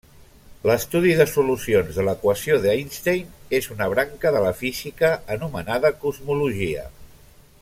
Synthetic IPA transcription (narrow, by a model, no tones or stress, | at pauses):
ləst̪uðiðəsulusionzðələkwəsioðajnst̪ejnezunəβ̞ɾaŋkəðələfizikəːnumənaðəkuzmuluʒiə̰